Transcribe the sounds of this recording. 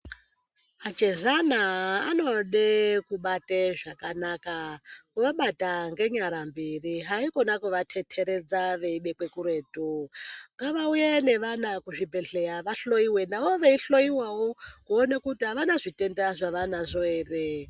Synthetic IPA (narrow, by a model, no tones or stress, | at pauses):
ad͡ʒezanaːno̞ɗekuɓateʐakanakakuʋaɓataŋɡe̞ɲaɾambiriɦaikonakuʋatʰetʰe̞ɾe̞d͡zaʋe̞iɓe̞k͡pe̞kuɾe̞ːtuŋɡaʋaujene̞ʋanakuʐibʱe̞ɬejaʋaɬo̞iwe̞naʋo̞ʋeiɬo̞iwawokuonekutiɦaʋanaʐite̞ndaʐaʋanaʐoeːre